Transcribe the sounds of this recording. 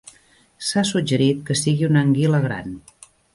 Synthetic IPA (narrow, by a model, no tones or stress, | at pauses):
sasud͡ʒəɾit̪kəsiɣiunəŋɡiləɣɾa̰n